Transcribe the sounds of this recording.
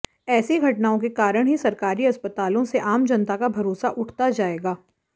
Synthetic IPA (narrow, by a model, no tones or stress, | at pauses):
ɛːsiɡʱɐʈnaːõk̬ekaːɾəɽ̃ɦisɐɾkaːɾiɐspət̪aːlõseʔaːmd͡ʒɐnt̪akabʱɐɾoːsaʔʊʈʰt̪ad͡ʒaːeːɡaː